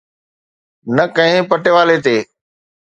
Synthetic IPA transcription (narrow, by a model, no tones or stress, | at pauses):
nɐkɐ̃ɦɪ̃pəʈeʋaːlet̪̬eː